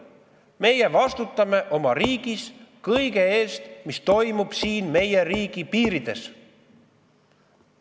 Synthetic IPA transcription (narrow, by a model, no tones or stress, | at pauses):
me̞jevɑst̪ut̪ːˑɑme̞ʔo̞mɑɾiːɡ̥iskɤjɡe̞eːst̪mist̪o̞jmub̥siːnme̞je̞riːɡ̥ipiːɾid̪̥e̞s